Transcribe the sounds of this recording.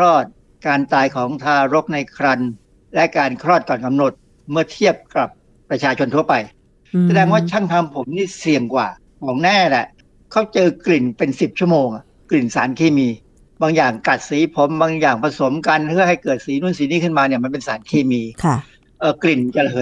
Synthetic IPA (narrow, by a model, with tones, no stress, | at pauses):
ɾɔː˥˩t̪̚ | kaː˧nt̪aː˧jkʰɔː˩˦ŋt̪ʰaː˧ɾo˦˥k̚na˧jkʰɾa˧n | lɛ˦˥kaː˧nkʰɾɔː˥˩t̪̚kɔː˨˩nka˧mno˨˩t̪̚ | mɯ˥˩ɐt̪ʰi˥˩əp̚kɾa˨˩p̚ː | ɾa˧t͡ɕʰaː˧t͡ɕʰo˧nt̪ʰu˥˩ɐpa˧j | sa˧dɛː˧ŋwaː˥˩t͡ɕʰa˥˩ŋt̪ʰa˧mpʰo˩˦mniː˥˩si˨˩əŋkwaː˨˩ | kʰɔː˩˦ŋnɛː˥˩lɛ˨˩ | kʰa˦˥˩wt͡ɕɤː˧kli˨˩npe˧nsi˨˩p̚t͡ɕʰu˥˩əmoː˧ŋʔa˨˩ | kli˨˩nsaː˩˦nkʰeː˧˩miː˧ | baː˧ŋjaː˨˩ŋka˨˩t̪̚siː˩˦pʰo˩˦mbaː˧ŋjaː˨˩ŋpʰa˧so˨˩˦mka˧npʰɯ˥˩ɐha˥˩jkɤː˨˩t̪̚siː˩˦nu˧˥˩nsiː˨˦niː˦˥˩kʰɯ˥˩nmaː˧ni˧˩ma˧npe˧nsaː˩˦nkʰeː˧˩miː˧k | ʔəː˨˩kli˨˩nt͡ɕa˨˩˧ɦɤː˨˦